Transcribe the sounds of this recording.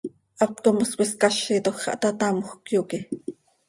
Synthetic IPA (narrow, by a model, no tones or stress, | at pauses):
ʔɑtkomoswʷiskɑʃit̪oxɑ̰ʔt̪ɑt̪ɑmoxkjoːki